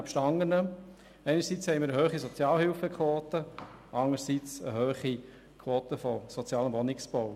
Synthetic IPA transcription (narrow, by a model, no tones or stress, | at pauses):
pʃtɑŋənə | ɛɪnəɾsit͡shɛɪmɪɾəhøːχisɔt͡sjɑːlɦɪlfəkʰʋoːt̪əʔɑŋəɾsit͡sə̰ɦøːχi | kʰʋoːtəfɔsɔt͡sjɑːləʋɔnɪksb̥ɔw